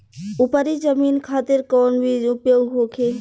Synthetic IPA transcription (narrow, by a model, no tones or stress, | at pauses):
upəɾid͡ʒəmiːnkʰaːt̪iɾkɔːnbʱiupjoːɡɦokʰe